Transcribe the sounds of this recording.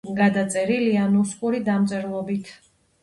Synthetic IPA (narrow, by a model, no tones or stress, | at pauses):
ɡad̪at̪sʼɛɾilianuskʼuɾid̪amt̪sʼɛɾlˠɔbit̪ʰ